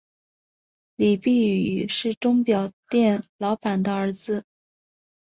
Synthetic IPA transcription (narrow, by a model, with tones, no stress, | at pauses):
li˨˩pi˥˩y˨˩ʂɻ̩˥˩ʈ͡ʂʊ˥ŋpjɑ˨˩ʊt̪jɛ˥˩nlɑ˧˥ʊpa˨˩nd̪ə˦ə˞˧˥t͡sɹ̩˧